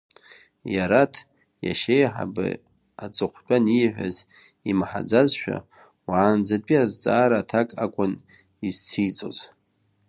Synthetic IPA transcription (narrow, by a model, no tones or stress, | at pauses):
jaɾatʰ | ja̰ʃejħa̰bɨ̰ | at͡sʼɨχʷt͡pʷʼaniħʷᶣa̰z | imaħa̰d͡zazʃᶣa̰ | waːnd͡zat͡pʷʼiazt͡sʼaːɾaːtʰakʼakʷʼʊn | izt͡sʰijt͡sʼo̰z̥